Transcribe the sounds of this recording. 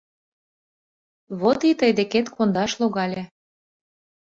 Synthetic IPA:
βot̪it̪əjd̪eket̪kʰond̪ɑʃloɣɑlʲe

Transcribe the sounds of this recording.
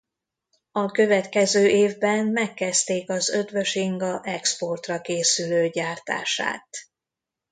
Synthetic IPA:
ɒkø̞vɛt̪kɛzøːʔeːvbɛnmɛkːɛst̪eːkɒzø̞d̪vø̞ʃiŋɡɒʔɛkspo̞rt̪rɒkeːsyløːɟaːrt̪a̰ːʃa̰ːt̪

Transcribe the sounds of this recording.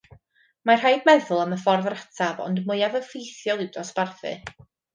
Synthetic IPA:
mar̥hajdmɛðʊlˠəməfɔrðratʰavɔ̰ndmʊjavəfejθjɔlˠɪwdɔsb̥arθɨ̰

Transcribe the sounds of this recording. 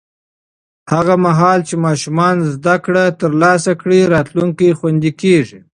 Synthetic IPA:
haɣamaɦɑlt͡ʃemɑʃumɑnzd̪akɽat̪əɾlɑsakɽiɾɑt̪luŋkixwand̪ikeʐi

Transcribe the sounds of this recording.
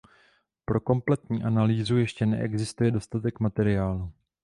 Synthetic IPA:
pɾo̞ko̞mplɛt̪ɲiːʔanaliːzujɛʃcɛnɛ̰ʔɛ̰ɡzɪst̪ujɛdo̞st̪at̪ɛkmat̪ɛɾɪaːlu

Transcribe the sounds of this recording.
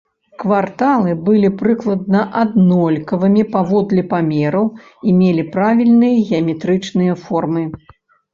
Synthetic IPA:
kvart̪alˠɨbɨlʲipɾɨklˠɐd̪nɐʔad̪nɔlʲkɐvɨmʲipavɔd̪lʲɛpamʲɛɾɐw | imʲelʲipɾavʲilʲnɨjɐɣʲɛɐmʲɛt̪ɾɨt͡ʂnɨjɐfɔrmɨ

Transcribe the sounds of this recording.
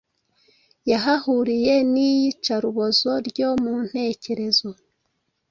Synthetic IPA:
jaɦahuɾije̞nijit͡ʃaɾuβozo̞ɾɟo̞mun̥he̞ːce̞ɾe̞zo

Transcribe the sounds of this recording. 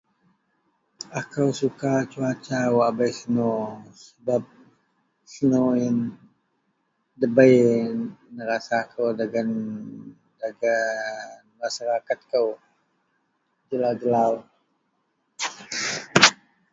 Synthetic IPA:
akəwsukat͡ʃuat͡ʃawabajsənosəbap̚ | sənoɪn | dəbəj | nəɾasakʰəwdaɡan | daɡanmasaɾakat̪̚kəw | d͡ʒəlawd͡ʒəlaw

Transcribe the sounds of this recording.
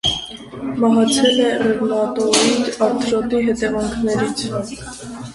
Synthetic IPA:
mɑɦɑt͡sʰɛlɛrɛvmɑt̪ɔɾiɾɑɾt̪ʰɾɔt̪iɦɛt̪ɛvɑŋkʰnɛɾit͡sʰ

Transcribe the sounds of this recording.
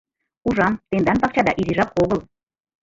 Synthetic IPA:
uʒɑmt̪end̪ɑnpɑk̚t͡ɕɑd̪ɑ̰ʔiɾʲiʒɑp̚oɣəlˠ

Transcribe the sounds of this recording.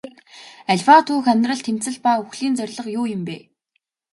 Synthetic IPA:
æɮʲfat̪ʰuːxæmʲrə̆ɮt̪ʰem̥t͡sɘ̆ɮpauxɮiːnt͡sœrʲɮə̆qjuːjɪ̆mpeː

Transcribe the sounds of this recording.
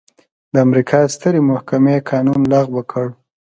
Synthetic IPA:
d̪əamɾikʰɑst̪əɾemʊhkamekɑnunlɑɣwəkʰəɽ

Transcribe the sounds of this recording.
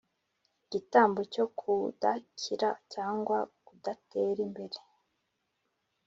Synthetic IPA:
ɟ̥itaːmboco̞kʰudacʰiɾacaːŋɡwakudate̞ːɾimbe̞ɾe

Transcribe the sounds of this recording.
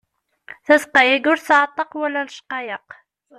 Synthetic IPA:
θæsqɑjæɡʊɾθʕɑt̪ˤːɑqwælːænʃqɑjəq

